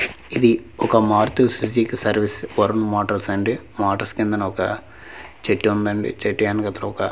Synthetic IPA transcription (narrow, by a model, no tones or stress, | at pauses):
iðɨokːɐmaːrt̪ːɨsisd͡ʑikːɨsɐrʋisɨʋɐɾɐnːumaːʈɐrseɳɖɨ | maːʈːɐrskend̪ɐnɐokːɐ | t͡ɕeʈːuɐnd̪ɐɳɖɨ̰t͡ɕeʈːujaːnkɐt̪ːrɐokːɐ